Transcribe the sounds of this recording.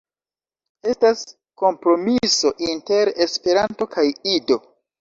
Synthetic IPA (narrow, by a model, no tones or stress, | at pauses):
e̞stas | ko̞mpɾo̞miso̞ʔinte̞ɾespe̞ɾanto̞kajido̞